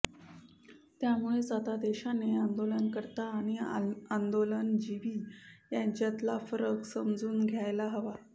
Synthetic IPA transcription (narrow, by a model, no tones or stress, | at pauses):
t̪jamuɭesʋat̪ad̪eɕaneand̪olənkəɾt̪aːɽ̃iand̪olənd͡ʑiʋiːjaɲt͡ɕjat̪lafəɾəksəmd͡zuːnɡʱjajlaɦəʋa